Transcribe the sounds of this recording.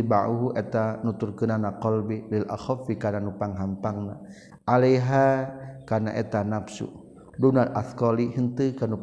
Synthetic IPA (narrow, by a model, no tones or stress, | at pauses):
ibaʔuɦuʔet̪anut̪urkənanakɔlbililʔa̰xɔfikananupaŋɦampaŋna̰ | ʔalajɦakanaʔet̪anapsṵ | dunalaθkɔliɦənt̪ɨkanu